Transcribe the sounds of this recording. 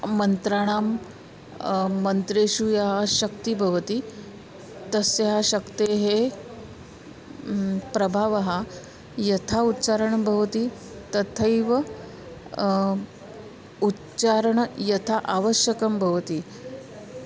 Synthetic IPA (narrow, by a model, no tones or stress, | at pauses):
mənt̪ɾaɽ̃aːm | ənt̪ɾeɕujaɦaɕəkt̪ibʱɐʋət̪iː | t̪əsjeɦaɕəkt̪eɦe | pɾɐbʱaʋaɦa | jɐt̪ʰautːt͡ɕaɾəɳbʱɐʋət̪iː | t̪ɐt̪ʰəjʋə | ut | t͡ʃaɾəɳjɐt̪ʰaʔaʋəɕjəkəmbʱɐʋt̪iː